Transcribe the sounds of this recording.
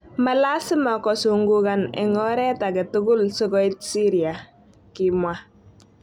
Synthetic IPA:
malasɪmakɔsuŋɡukanɪ̰ŋɔɾɛtaɡɛtʊɡʊlsɔɡɔɪt̚siɾia | kɪmwa

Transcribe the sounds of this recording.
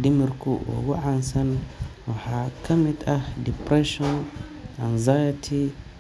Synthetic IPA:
dimiɾkuwa̰waʕansanwahakamitadipɾeʃɔn | a̰nzajatʰi

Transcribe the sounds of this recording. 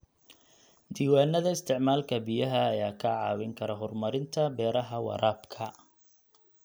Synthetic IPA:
d̪iːwaːnːɐðɐɪst̪ʰɪʕmaːlkʰɐbijɐɦɐːjaːkʰɐʕɑ̰ːwɪŋkʰɐɾɐɦɔrmɐɾɪnt̪ʰɐbɛːɾɐɦɐwɑ̰ɾʔaːbkʰɐ

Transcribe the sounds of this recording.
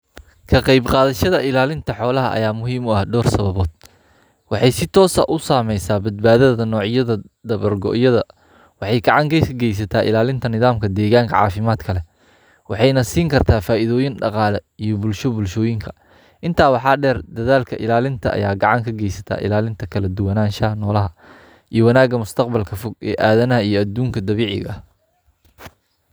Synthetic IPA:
kʰɐqɑjbqɑːðɐʃɐðɐʔɪlaːlɪnt̪ʰɐħɔːlɐɦɐʔɐ̰jaːmʊɦiːmʊɐhɖɔːrsɐβɐβɔːd̪̥̚ | wɑħɑjsɪt̪ʰɔːsɐ̰ʔʊsaːmɛjsaːbɐd̪̚baːðɐðɐnɔːʕɪjɐðɐ | d̪ɐβɐrɡɔ̰ʔjɐðɐ | wɑħɑjɡɑʕɑŋɡɛjsʰɐɡɛjs̬ɐt̪ʰaːʔɪ̰laːlɪnt̪ʰɐnɪðaːmkʰɐd̪ɛːɣaːŋkʰɐ̰ʕɑ̰ːfɪmaːd̪kʰɐlɛ | wɑħɑjnɐsiːŋkʰɐrt̪ʰaːfaːʔɪðɔːjɪnɖɑqɑːlɛijɔbʊlʃɔbʊlʃɔːjɪŋkʰɐ̥ | ʔɪnt̪ʰaːwɑħɑːɖɛːrd̪ɐðaːlkʰɐʔɪlaːlɪnt̪ʰɐʔɐ̰jaːɡɑʕɑŋkʰɐɡɛjsɐt̪ʰa̰ːʔɪ̰laːlɪnt̪ʰɐkʰɐlɐd̪ʊwɐnaːnʃɐnɔːlɐɦɐ | ʔijɞwɐnaːɡɐmʊst̪ʰɐqbɐlkʰɐfʊɡɛ̰ːʔaːðɐnɐɦɐijɔɐd̪uːŋkʰɐd̪ɐβiːʕɪ̰ɣɐ

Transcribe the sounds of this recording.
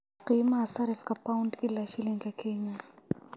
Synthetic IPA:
qimasaɾifkʼapʼaʊndɪlaʃɪlɪŋ̩kʼakʰɛːɲa

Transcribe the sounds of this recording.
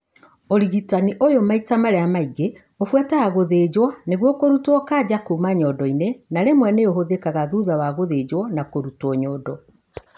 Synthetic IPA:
oɾiɣitaniʔojomaitamaɾɛamaiɡe | ofwɛtaɣaɣoðeːd͡ʑwɔneɣwɔkoɾutwɔkad͡ʑakumaɲɔdɔinenaɾemwɛneoɦoðekaɣaðuðawaɣoðeːd͡ʑwɔnakoɾutɔɲɔːdɔ

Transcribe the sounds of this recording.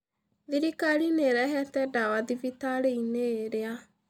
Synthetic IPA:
ðiɾikalineɾɛɦɛtɛdawaðivitaleineːɾea

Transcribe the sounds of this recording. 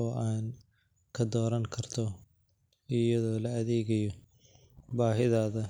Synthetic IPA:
ɔːʔaːn | kʰɐd̪ɔːɾɐŋkʰɐrt̪ʰɔ | ɪjɐðɔːlɐɐðɛːɣɐjɔ | baːɦɪðaːðɐ

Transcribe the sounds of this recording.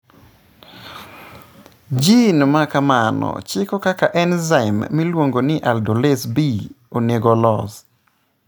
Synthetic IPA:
d͡ʒinmakamanɔ̰t͡ʃɪkɔkakaʔɛnzaɪmːilwoŋɡonɪʔaldolesbi | oneɡɔlɔs

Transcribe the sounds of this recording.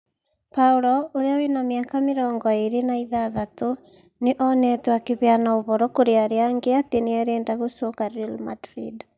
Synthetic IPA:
pauɾɔoɾeawenamjakameɾɔːŋɡɔeɾenaiðaðato | neʔɔnɛtwakeβjanaoβɔɾɔkoɾeaɾeaŋɡeateneaɾeːndaɣosokaɾilmadɾid

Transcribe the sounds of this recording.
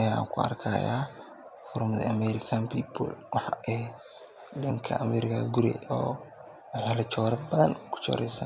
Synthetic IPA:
ɐja̰ːŋkʰʊɐ̰rkʰaja̰ː | fʊɾmd̪ɐ̰ɐmɛɾɪkʰanpʰiːpṵlwɑħɑɛ | ɗɐŋkʰɐ̰ʔmɛːɾɪkʰɐ̰ɡʊɾɛ̰ɔː | wħɛlɐt͡ʃɔːɾɐbɐðɐnkʰʊ̥t͡ʃɔ̰ːɾɛjsa

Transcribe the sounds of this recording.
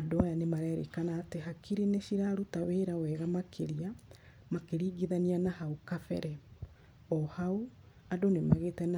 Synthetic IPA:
adoajanemaɾɛɾḛkanaːteɦakʰiɾineʃiɾaɾutaweːɾawɛːɣamakʰeɾia | makeɾiːɡiðanianahaukafɛ̰ɾɛ | ɔhao | adonemaɣeːtɛna

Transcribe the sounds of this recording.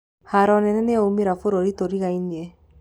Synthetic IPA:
haɾɔnɛnɛneɔumiɾafoɾoɾitoɾiɣainiɛ

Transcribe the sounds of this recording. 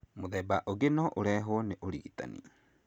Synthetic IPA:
moðɛbaʔoɣenɔʔoɾɛɦoɔneʔoɾiɣita̰nḭ

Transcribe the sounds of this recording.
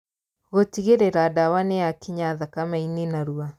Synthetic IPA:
ɣotiɣeɾeɾadawaneakiɲaðakamainenaɾua

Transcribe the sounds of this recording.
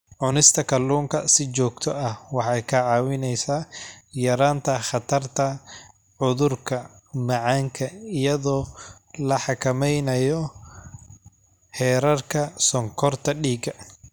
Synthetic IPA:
ʕʊnɪst̪ʰɐkʰɐlːuːŋkʰɐsɪt͡ʃɔːɡt̪ʰɔɐhwɑħɑjkʰɐʕɑːwɪnɛjsaːjɐɾaːnt̪ʰɐχɑt̪ʰɐrt̪ʰɐ | ʕʊðʊrkʰɐmɑʕɑːŋkʰɐɪjɐðɔː | lɐħɑkʰɐmɛjnɐjɔ | hɛːɾɐrkʰɐsɔŋkʰɔrt̪ʰɐɖiːɡɐ

